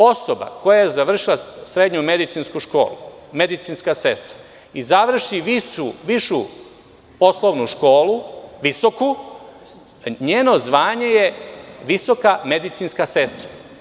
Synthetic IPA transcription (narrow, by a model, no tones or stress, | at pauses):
o̞soba̰ko̞jajezaʋr̩ʃilˠasɾe̞d̪ɲume̞d̪it̪sinskuʃko̞̰ːlˠṵme̞d̪it̪sinskase̞st̪ɾa | izaʋr̩ʃiʋiuʋiʃu | po̞slˠoʋnuʃko̞ːlˠuʋisoku | ɲeːno̞zʋaːɲe̞je̞ʋiso̞kame̞d̪it̪sinskase̞st̪ɾa